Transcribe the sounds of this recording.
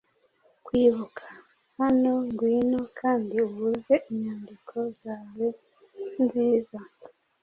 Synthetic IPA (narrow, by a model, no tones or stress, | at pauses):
kwiːβukʰḁ | hanoŋɡwiːnokʰaːndiuβuze̞ʔiɲaːndikʰo̞zaːwe | nziza